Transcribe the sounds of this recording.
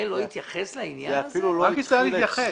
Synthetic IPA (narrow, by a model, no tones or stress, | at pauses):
loit̪jaχeslainjaeafiluloʁakit͡salijaχe